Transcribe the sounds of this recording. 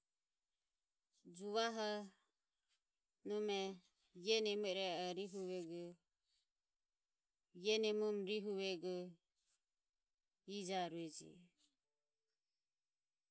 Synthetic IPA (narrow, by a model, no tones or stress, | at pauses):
d͡ʒuβaɦɔ | nɔmɛ | jɛnɛmuɾɛɔɾiɦuβɛɡu | jɛnɛmumɾiɦuβɛɡu | id͡ʒaɾuɛd͡ʒḭ